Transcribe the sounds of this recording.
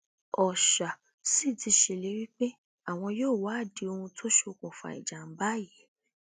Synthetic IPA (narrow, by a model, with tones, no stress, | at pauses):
ɔ˨ʃa˨ | si˦˨ti˧˦ʃe˧˨le˨˦wi˦k͡pe˦ | a˦˨w̃ɔ̃˧joː˦˨wa˨˦˨di˨˦o˧ũ˧tʰo˦ʃo˧kũ˨fa̰˨ḭ˨d͡ʒa˨n̩˨˦ba˦˨ji˨˦